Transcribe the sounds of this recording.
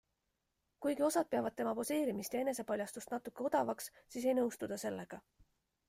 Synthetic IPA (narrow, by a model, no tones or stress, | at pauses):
kujɡio̞sɑd̪̚peɑvɑd̪̥̚t̪e̞mɑpo̞se̞ːɾimist̪jɑe̞ne̞se̞pɑlʲjɑst̪ust̪nɑt̪ːˑukːˑe̞o̞d̪̥ɑvɑkssiːs̬e̞jnɤwst̪ud̪̥ɑse̞lːe̞ɡ̥ɑ